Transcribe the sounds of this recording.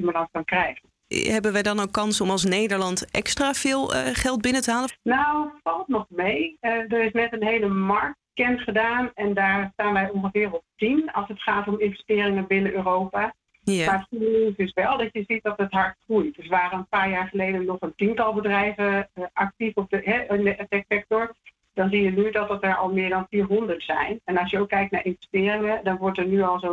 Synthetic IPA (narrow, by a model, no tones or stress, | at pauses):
iməlɑŋkɑnkrɛjχən | ɦɛbənʋɛjdɑnowkːɑnsɔmɑlˠs̬nejdəɹlɑntʔɛ̰kstraːvɪːlˠχɛlˠt̚bɪnətəɦaːlənawətfɑlˠtnɔχmejdərɪsnɛtənɦejləmɑɹk̚tkɛntχədaːnɛndaːɹstaːnʋɛjɔŋχəvɪːɹɔp̚tinɑlˠsɦətχaːtɔmɪnvɛstɪːrɪŋəbɪnəʔøːrowpa | maːɹχunnisɪsʋɛlˠdɑtjəzit̚dɑtɦətɦaːɹχrujtdəsəʋaːrəənpaːɹjaːɹχəlejdənɔχəntintɑlˠbədrɛjvəʔɑk̚tifɔp̚dəɦɛɪnəsɛktsɛk̚tɔɹ | dɑnzijənydɑt̚dɑtɛɹɑ̰lˠmɪːɹdɑnfiːɹɦɔndəɹtsɛjnɛnɑlˠʃjəowkːɛjk̚tnaːɹʔɪnvɛstɪːrɪŋədɑnʋɔɹtəɹnyɑlˠzo